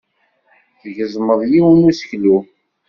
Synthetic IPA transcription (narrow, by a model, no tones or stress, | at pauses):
θəʝəzˤməðˤjiwənusə̥çlu